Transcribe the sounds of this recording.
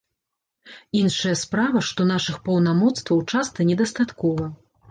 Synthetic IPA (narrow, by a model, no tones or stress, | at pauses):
inʂɐjɐspɾavɐʂt̪ɔnaʂɨxpɐwnamɔt̪st̪vɐwt͡ʂast̪ɐnʲɛd̪ɐst̪at̪kɔvɐ